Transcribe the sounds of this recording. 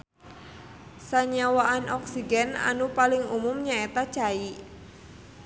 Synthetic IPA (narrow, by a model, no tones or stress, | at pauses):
saɲawaʔanɔksiɡana̰nupalɪŋumʊmɲaet̪at͡ʃai